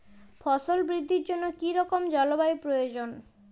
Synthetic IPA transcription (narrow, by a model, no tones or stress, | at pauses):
fɔsolbɾid̪ʱːiɾd͡ʑonːokiɾɔkomd͡ʑɔlobaipɾojod͡ʑon